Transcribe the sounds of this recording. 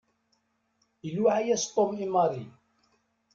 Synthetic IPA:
ilwaʕajæst̪ˤːomimɑɾi

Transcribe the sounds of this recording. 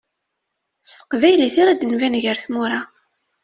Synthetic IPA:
st̪ə̥qvæjliθiɾad̪ənvænʝəɾθmuɾˤɑ

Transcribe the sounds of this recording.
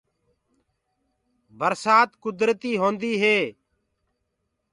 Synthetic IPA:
bəɾsaːt̪kʊd̪ɾət̪iːɦõːnd̪iːɦeː

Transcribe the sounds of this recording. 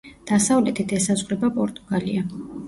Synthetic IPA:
d̪̥asavlɛt̪ʰit̪ʰɛsazʁɾɛbapʼɔɾt̪ʼuɡ̥alia

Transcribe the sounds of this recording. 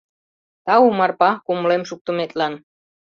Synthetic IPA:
t̪ɑumɑrpɑkuməlemʃuk̚t̪ə̆met̪lɑn

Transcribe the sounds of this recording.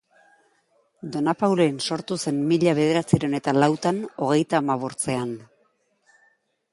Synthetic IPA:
d̪o̞napawlo̞enso̞ɾt̪use̞nmiʎaβ̞e̞ð̞e̞ɾat͡siɾeone̞t̪alawt̪ano̞ɣ̞e̞jt̪aːmaβ̞o̞ɾt͡se̞an

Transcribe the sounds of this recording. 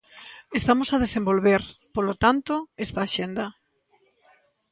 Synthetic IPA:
est̪amosað̞esẽmbolβeɾpolot̪ant̪oest̪aːʃend̪a

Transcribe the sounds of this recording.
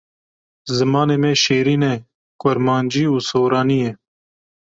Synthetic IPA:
zəmaːneːmẽːʃeːɾiːnẽː | koɾmaːnd͡ʒiːuːsoːɾaːniːeː

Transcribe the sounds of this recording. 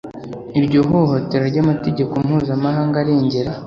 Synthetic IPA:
iɾɟoɦoɦo̞te̞ɾoɾɟamate̞ɟe̞kom̥huːzamaɦaːŋɡaɾe̞ːɲɟeɾa

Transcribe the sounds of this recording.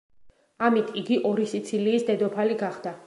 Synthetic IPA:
amit̪ʰiɡiʔɔɾisit̪sʰiliːsd̪ɛd̪ɔpʰaliɡaχd̪̥a

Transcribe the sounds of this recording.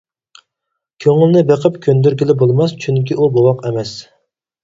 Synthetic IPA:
kʲʰøŋylnɪbeqʰəpkʲʰønd̪yɾɡʲilɪbolˠmɑst͡ʃʰyŋkʲiʔubowɑqɛmɛs

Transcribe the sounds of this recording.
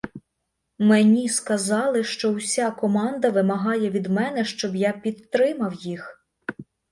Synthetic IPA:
menʲiskɐzɑlˠɪʃt͡ʃɔwsʲakɔmɑnd̪ɐʋɪmɐɦɑjɛʋʲid̪mɛnɛʃt͡ʃɔbjapʲid̪t̪ːɾɪmɐwjix

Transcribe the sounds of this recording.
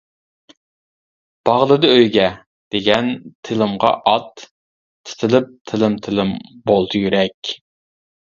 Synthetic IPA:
b̥ɑʁlˠɨd̪ɨøjɡʲɛ | d̪̥eɡʲɛnt̪ʰɪlɪmʁɑ̰ʔɑt̪ːʰ | ɪ̥t̪ʰɪlɪp̚t̪ʰɪlɪmt̪ʰɪlɪmbolˠd̪ɨjyɾɛkʲ

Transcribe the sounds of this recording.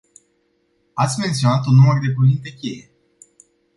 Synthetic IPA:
at̪sʲme̞nt̪sio̞nat̪unːumərd̪e̞puvint̪e̞kʲe̞je̞

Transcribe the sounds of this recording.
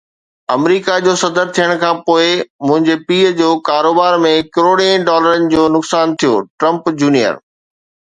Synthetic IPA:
ɐmɾiːkad͡ʑoːsɐd̪əɾt̪ʰijəɽ̃kʰãːpoːɪmʊ̃ɦɪ̃ɲd͡ʑepiːəd͡ʑoːkaːɾoːbaːɾmẽkɪɾoːɽẽɖɔːləɾənɪ̆d͡ʑoːnʊksaːnt̪ʰijoːʈɾɐ̃mpd͡ʑuːnijə̰ɾ

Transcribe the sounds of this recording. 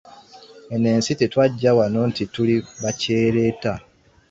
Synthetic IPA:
ene̞ːnsite̞twaɟːawanontituliβaceːɾeːta

